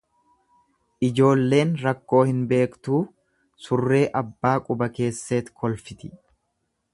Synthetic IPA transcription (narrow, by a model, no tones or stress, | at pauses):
ʔɪd͡ʒo̞ːlːe̞ːnɾɐkːo̞ːhɪnbe̞ːkt̪uː | sʊrːe̞ːʔɐbːaːkʼʊbɐke̞ːsːeːt̪kʰɔlfɪt̪ɪ̥